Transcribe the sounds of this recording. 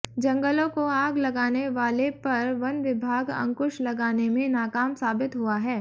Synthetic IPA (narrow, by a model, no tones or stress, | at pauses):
d͡ʒɐ̃ŋɡəlõkoaːɡlɐɡaːneʋaːlepɐɾʋɐnʋɪbʱaːɡɐ̰̃ŋkʊʃlɐɡaːnemẽnaːkaːmsaːbɪt̪ɦʊaɦɛː